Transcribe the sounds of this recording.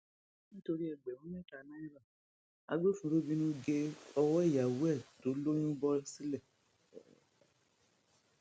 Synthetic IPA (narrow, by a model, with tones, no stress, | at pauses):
nĩ˦to˧ɾi˦ɛ˨ɡ͡bɛ˨ũ˨˦mɛ̃˦˨ka˨nã˦i˦ɾa˦˨ | a̰˧ɡ͡be˦fũ˨˦bo˦bi˧nũ˦ɡe˧ɔ˧wɔ˦i˦˨ja˨wɛ˦˨to˨˦lo˦j̃ũ˦bɔ˦si˦lɛ˦˨